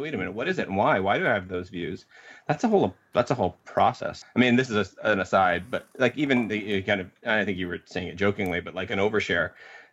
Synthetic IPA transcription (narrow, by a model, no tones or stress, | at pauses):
wiɪɾɨ̃mɪ̃nɨwʌɾɨzɨtn̩waɪwaɪɾɨaɪɨvðoʊzvjʉz̥ | ðætsəɦoʊlˠ | ðætsəɦoʊlˠpʰɹ̥ɑsɛ̰saɪmĩnðɪsɨzɨɨ̃nɨsaɪd̚bʌt̚laɪkivɨ̃nɨkʰãɪ̃ndʌvaɪdõñθɪ̃ŋkjɨwə˞seɪɪ̃ŋɨt̚d̥ʒoʊkɪ̃ŋlibʌt̚laɪkɨ̃ñoʊvə˞ʃɛɹ